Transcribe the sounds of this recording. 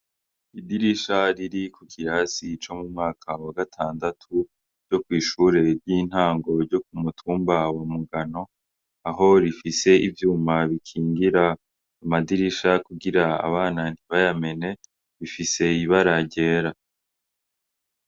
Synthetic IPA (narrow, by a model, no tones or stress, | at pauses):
idiɾiʃaɾiɾikʰukʰiɾasit͡ʃo̞mumŋaːkʰawaɡatʰaːndatʰu | ɾj̥o̞kwiːʃuːɾe̞ɾjiːn̥haːŋɡo̞ɾɟo̞k̚umutʰuːmbawamuɡano̞ | aɦo̞ɾifise̞ivjuːmaβikʰiːŋɡiɾa | amadiɾiʃakuɡiɾaa̰βaːnan̥iβajame̞ne̞ | βifise̞iβaɾaɟe̞ːɾa